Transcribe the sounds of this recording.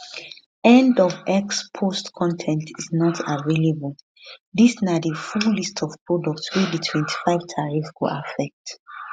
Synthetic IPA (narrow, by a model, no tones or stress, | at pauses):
ɛ̃ndɔvɛkspʰostkʰɔ̃ntʰɛ̃ntʰiznɔtʰavelebəl | disnadəfullistʰɔv̥pʰɹɔdɔk̚tswit͡ʃdətʰwɛ̃ntʰi̥faɪv̥tʰaɹifkṵa̰fɛk̚t